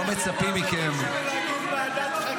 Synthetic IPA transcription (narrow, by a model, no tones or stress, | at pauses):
omet͡sapimikem